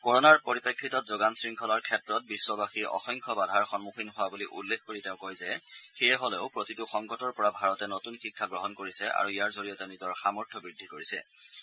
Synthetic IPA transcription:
kɔɹɔnaɹpoɹipekʰːitɔt̚zoɡansɹiŋkʰɔlaɹkʰɛtɹɔt̚bisːɔbaxiʔɔ̰xɔŋkʰɔbadʱaɹxɔnmuxinɦʊwabuliʔṵlːekʰkoɹitɛʊ̃kojzɛxejɛɦɔlɛʊpɹotitʊxɔŋɡɔtɔɹpɔɹabʱaɹɔtɛnotunxikʰːaɡɹɔɦɔnkoɹisɛʔa̰ɹuijaɹzoɹijɔtɛnizɔɹxamɔɹtʰɔbɹidʱːikoɹisɛ̰

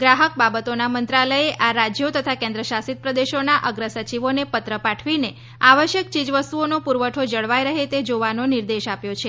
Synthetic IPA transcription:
ɡɾaɦək̚babət̪onamənt̪ɾaləeʔʔaɾad͡ʒjot̪ət̪ʰakɛ̃nd̪ɾəʃasit̪̚pɾəd̪eʃonaʔəɡɾəsət͡ʃiʋonepət̪ɾəpaʈʰʋine | aʋəʃjəkt͡ʃid͡ʒʋəst̪uonopuɾʋəʈʰod͡ʒəɭʋajɾəɦet̪ed͡ʒoʋanonɪɾd̪eʃapjot͡ʃʰe

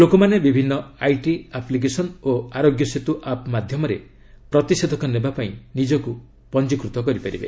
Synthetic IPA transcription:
lokomanebibʱinːɔajʈiaplik̬esɔnoaɾoɡjɔset̪uʔapmad̪ʱjɔmɔɾe | pɾɔt̪ised̪ʱɔkɔnebapaĩnid͡ʒɔku | pɔnt͡ʃikɾut̪ɔkɔɾipaɾibḛ

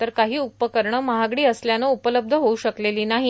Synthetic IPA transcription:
t̪əɾkaɦiːupːəkəɾɳəːməɦaɡɽiːəsljanəupələb̚d̪ʱəɦouɕəkleliːnaɦi

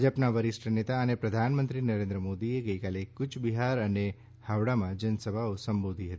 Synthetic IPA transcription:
d͡ʒəpnaʋəɾɪsʈʰənet̪aənepɾəd̪ʱanmə̃nt̪ɾinəɾẽnd̪ɾəmod̪ieɡəikalekːʊt͡ʃʰbiɦaɾəne | haʋɽamãd͡ʒənsəbʱaosəmbod̪ʱiɦət̪i

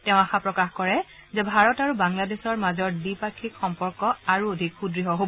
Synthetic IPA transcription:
tɛʊ̃axapɹɔkaxkɔɹɛ | zɛbʱaɹɔtaɹubaŋladesɔɹmazɔɹdipakʰːikxɔmpɔɹkɔaɹuodʱikxudɹiɦɔɦob

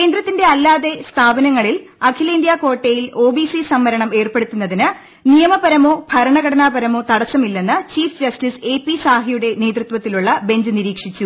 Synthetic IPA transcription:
kke̞ːnd̪ɾɐt̪ːinde̞ɐlːaːðe̞st̪ʰaːbɐnɐŋːɐɭilɐkʰilɐind̪jaːko̞ːʈːejilo̞ːbisisɐmːɐɾɐɳɐme̞ːrpeɽut̪ːunːɐðinɨ | nijɐmɐbɐɾɐmo̞ːbʱɐɾɐɳɐɡɐɽɐɳaːbɐɾɐmo̞ːt̪ɐɽɐsɐmilːe̞nːɨt͡ɕiːfd͡ʑɐstise̞ːpːisaːɦijuɽe̞ne̞ːd̪rut̪ʋɐt̪ːiluɭːɐbe̞ɲd͡ʑɨniɾiːkʂit͡ɕːu

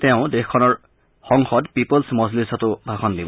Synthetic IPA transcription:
t̪eʊ̃d̪exkʰːɔnɔɹ | xɔŋxɔdpipɔlsmɔzlisɔt̪ubʱaxʰɔnd̪ibɔ

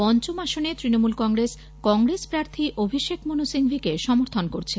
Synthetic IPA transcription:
pɔnt͡ɕomaʃonet̪ɾinomulkɔŋɾes | kɔŋɾespɾaɾt̪ʰiʔobʱiʃekmonusiŋbʱikeʃɔmoɾt̪ʰonkoɾt͡ɕʰe

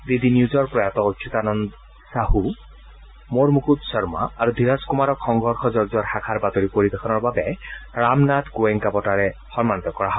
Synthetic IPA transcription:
did̪injuzɔɹpɹɔjat̪ɔot͡ʃʰut̪anɔnd̪ | sahu | moɹmukut̪sɔɹma̰aɹud̪ʱiɾaskumaɹɔkxɔŋɡʱɔɹxʰɔzɔɹzɔɹxakʰaɹbat̪oɹipoɹibɛkʰɔnɔɹbabɛɹamnat̪ɡoɛŋkabɔtaɹɛxɔnmanit̪ɔkɔɹaɦɔ

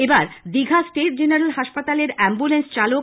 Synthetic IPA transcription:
ebaɾd̪iɡʱasʈeʈ̚d͡ʑeneɾalɦaʃpat̪aleɾɛmbulenst͡ɕalok

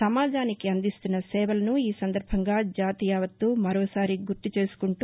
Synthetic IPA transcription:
ɐmaːd͡ʒaːnikiɐnd̪ist̪unːɐsɛːʋɐlɐnuiːsɐnd̪ɐɾbʱɐŋɡaːd͡ʒaːt̪ijaːʋɐt̪ːuːmɐɾoːsaːɾiɡuɾt̪ut͡ʃe̞ːsu̥kuɳʈ

